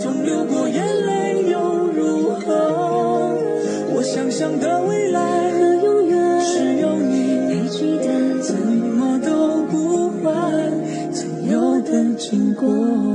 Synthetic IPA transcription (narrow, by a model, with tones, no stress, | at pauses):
t͡ɕʊ˧˥ŋɻu˧kwɔ˨˩ɥɛ˧˥nle˥ɪjo˧˥ʊ | ɻu˧˥xə˧ | wɔ˧˥ɕjɑ˥˩ŋɕjɑ˥ŋd̪ə˧˩we˥˩ɪla˧˥ɪə˧jo˥ʊjɛ˧˥ʂɻ̩˧˩jʊ˥˧ŋy˧˩e˧˩t͡ɕi˥d̪ə˧t͡sə˨˥˩nmɔ˧˩t̪ə˥ku˧˥xwa˧ | t͡swo˨˩jo˧˩ʊd̪ə˧t͡ɕi˧˥ŋkɔ˧˥˩